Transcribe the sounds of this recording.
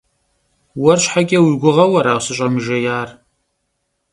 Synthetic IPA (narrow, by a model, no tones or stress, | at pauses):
wɐrɕħaɡʲɐwɡʷʊʁɐwɐɾaːwsɨɕʼɐmɨʒɐjaːr